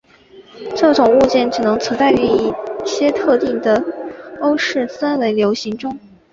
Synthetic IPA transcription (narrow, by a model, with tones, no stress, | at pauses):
ʈ͡ʂɤ˥˩ʈ͡ʂʊ˨˩ŋu˥˧t͡ɕjɛ˥˩nʈ͡ʂɻ̩˨˩nɤ˧˥ŋt͡sʰɤ˧˥t͡sa˥˧ɪy˧˥˧i˥˩ɕjɛ˥t̪ʰɤ˥˧t̪i˥˩ŋd̪ə˩o˥ʊʂɻ̩˥˩sa˥nwe˧˥ɪljo˧˥ʊɕi˧˥ŋʈ͡ʂʊ˥ŋ